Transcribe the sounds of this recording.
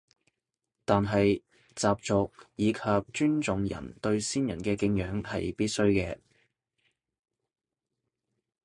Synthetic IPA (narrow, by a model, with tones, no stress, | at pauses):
t̪aː˨nɦɐ˨j | t͡saː˨p̚t͡sʊ˨k̚jiː˨˧kʰɐ˨p̚t͡ʃyː˥nt͡sʊ˨˧ŋjɐ̰˨˩nt̪ɵ˧ɥsiː˥njɐ̰˨˩nkɛː˧kɪ˧ŋjœː˨˥ŋhɐ˨jpiː˥t̚sɵ˥ɥkɛː˧